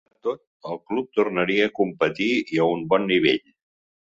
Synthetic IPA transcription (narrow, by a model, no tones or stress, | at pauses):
t̪ot̪̚ | əlˠklup̚t̪urnəɾiəːkumpət̪iiəumbɔnːiβ̞eʎ